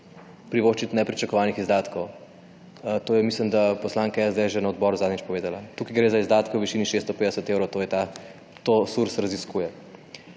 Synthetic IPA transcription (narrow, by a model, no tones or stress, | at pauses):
pɾiʋoːʃt͡ʃit̪nɛpɾit͡ʃɐkɔʋaːnixizd̪aːt̪kɔw | t̪oːjɛmislimd̪apɔslaŋkajɛzd̪ɛʒenaɔd̪bɔɾuzad̪nʲit͡ʃpɔʋeːd̪alat̪uːkajɡɾezaizd̪aːt̪kɛwʋiʃiːniʃest̪ɔpeːd̪ɛsət̪ewɾowt̪ojɛt̪a | t̪osuɾsɾɐziskuːjɛ